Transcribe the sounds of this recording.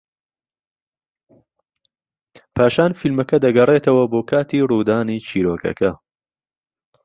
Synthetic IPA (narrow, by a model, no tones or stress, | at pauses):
pʰaːʃaːnfilmɐkɐd̪ɐɡɐreːt̪ɐwɐboːkʰaːt̪iːruːd̪aːniːt͡ʃʰiːɾoːkʰɐ̰kʰɐ